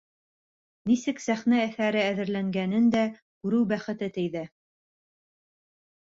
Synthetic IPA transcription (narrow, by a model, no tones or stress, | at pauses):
nisɘksæχnæːθæɾɘæðɘ̆ɾlæŋɡænɘnd̪æ | kʉɾɘwbæχɘ̆t̪ɘt̪ɘ̆jðæ